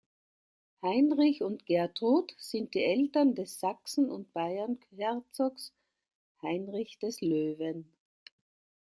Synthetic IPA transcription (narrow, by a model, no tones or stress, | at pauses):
haɪnʁɪçʊntɡ̥ɛɐtʁoːtsɪnt̚d̥iːʔɛltɐndɛsːaksn̩ʊ̰nt̚b̥aɪɐnhɛɐt͡sɔks | haɪnʁɪçd̥ɛsløːvən